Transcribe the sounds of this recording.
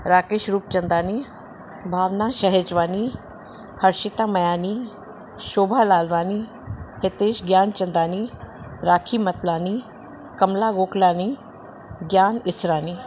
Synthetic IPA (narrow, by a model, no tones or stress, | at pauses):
ɾaːkeːʃɾuːp̚t͡ʃɐnd̪aːni | bʱaːʋnaʃɐɦet͡ʃʋaːni | hɐɾʃɪt̪aːmɐjaːni | ʃoːbʱaːlaːlʋaːni | het̪eːʃɡjaːnt͡ʃɐnd̪aːniːɾaːkʰiːmɐt̪laːniː | kɐmlaːɡoːklaːni | ɡjaːnɪsɾaːniː